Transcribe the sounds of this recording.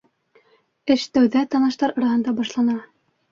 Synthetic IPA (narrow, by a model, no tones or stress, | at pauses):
ɘʃt̪æwðæt̪ɑnɑ̆ʃt̪ɑɾɑ̆ɾɑhɤ̆nd̪ɑbɑʃlˠɑnɑ